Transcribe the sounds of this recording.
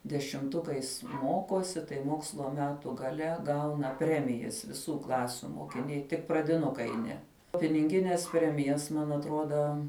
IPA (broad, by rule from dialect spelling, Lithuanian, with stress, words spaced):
dʲɛʃʲɪmˈtʊkɐɪs ˈmoːkoːsʲɪ tɐɪ ˈmoːkslˠoː ˈmʲæːtʊ ɡɐˈlʲɛ ˈɡɐʊnɐ ˈpʲrʲæːmʲɪjɛs ʋʲɪˈsuː ˈklˠɑːsʲʊ moːkʲɪˈnʲɛɪ tʲɪk prɐdʲɪˈnʊkɐɪ ˈnʲɛ pʲɪnʲɪŋʲˈɡʲɪnʲɛs ˈpʲrʲæːmʲɪjɛs mɐn ɐtˈroːdɐ